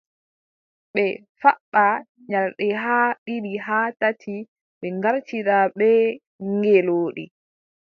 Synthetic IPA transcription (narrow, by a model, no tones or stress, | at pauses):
ɓɛ | faɓːa | ɲaɾɗɛɦaɗiɗiɦaːtatʰi | ɓɛŋɡaɾtiɾaɓɛ | ŋɡɛloːɗḭ